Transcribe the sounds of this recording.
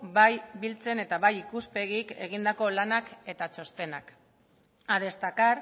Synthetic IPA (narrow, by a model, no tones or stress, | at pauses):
bajbilt͡se̞ne̞t̪aβajikuspe̞ɣike̞̰ɣ̞ind̪ako̞lanake̞t̪at͡ʃo̞st̪e̞na̰k | aðe̞st̪akar